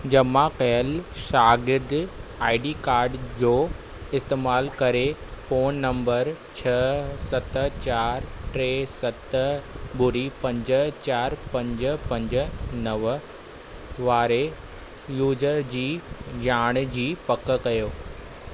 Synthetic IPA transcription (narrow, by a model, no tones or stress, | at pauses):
d͡ʑɐmãqɛəlʃaːɡɪɾd̪aːɪɖikaːɾɖd͡ʑoː | ɪst̪eːmaːlkɐɾefoːnːɐ̃mbəɾ | t͡ɕʰɐsɐt̪t͡ɕaːɾʈɾeːsɐt̪bʊɾipɐ̃ɲd͡ʑət͡ɕaːɾpɐ̃ɲd͡ʑpɐ̃ɲd͡ʑʊ̆nɐʋ | ʋaːɾe | juːzəɾd͡ʑiːjaːɽ̃d͡ʑiːpɐk̆kɐjoː